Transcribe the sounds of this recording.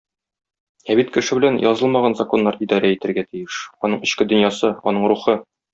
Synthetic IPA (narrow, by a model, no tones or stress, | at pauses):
æbit̪kɘ̆ʃɘbɘ̆lænjʔɒzɤlˠmɑʁɑnzɐko̞nːɑɾid̪ɑɾʲæit̪ɘ̆ɾɡæt̪ijɘʃɒnɤɴɘ̆ɕkɘd̪ɵ̆njɑsɤɒnɤɴɾuχɤ